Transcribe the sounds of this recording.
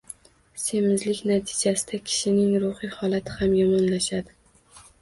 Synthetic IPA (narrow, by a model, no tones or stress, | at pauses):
se̞mɪzlɪkʲnat̪ʰɪ̥d͡ʒasɪd̪akʲʰɪ̥ʃɪnɪŋɾʊhihɒlˠat̪ʰɪhamjɒmɒnlaʃad̪ɪ